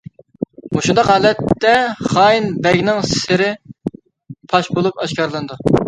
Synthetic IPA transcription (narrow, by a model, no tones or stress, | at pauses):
muʃund̪ɑqɦɑːlɛt̪ːɛχɑːjinbɛɡʲnɪŋsɪɾɪ | pʰɑʃbolˠupɑʃkɑɾlˠɨnɨd̪u